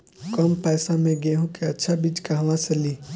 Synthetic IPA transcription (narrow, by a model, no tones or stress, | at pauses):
kɔːmpɛːsamẽɡẽːɦõkeɐtːʃʰabid͡ʒkaɦɐʋãsɐliː